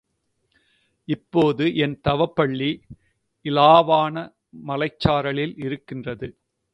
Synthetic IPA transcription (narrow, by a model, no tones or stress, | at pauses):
ɪpːoːðɯʔɛnt̪ɐʋɐpːɐɭːi | ɪlaːʋaːnɐ | mɐlɐɪt͡ʃːaːɾɐɭɪlɪɾɯkːɪndrɐðɯ